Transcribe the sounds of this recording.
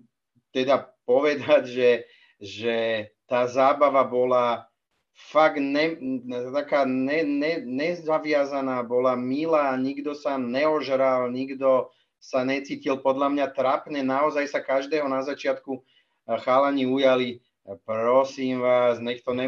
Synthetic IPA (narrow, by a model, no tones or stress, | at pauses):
t̪ɛd̪apɔʋɛd̪aɟʒɛ | ʒɛt̪aːzaːbaʋabɔla | faɡnɛt̪akaːnɛnɛɲɛzaʋɪazanaːbɔlamilaːɲiɡd̪ɔsanɛɔʒɾalɲiɡd̪ɔ | saɲɛt͡siːcilpɔd̪lamɲat̪ɾapɲɛnaɔzajsakaʒd̪ɛːɦɔnazat͡ʃɪat̪ku | xaːlaɲiujali | pɾɔsiːmʋaːznɛkt̪ɔɲɛ